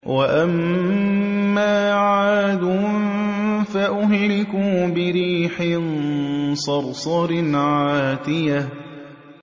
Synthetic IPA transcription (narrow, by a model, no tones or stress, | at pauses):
wʔaʔam | aːʕaːd̪uːnfaʔʊɦlɪkʊːbɪɾiːħɪnsˤɑɾˤsˤɑɾɪnʕaːt̪ɪja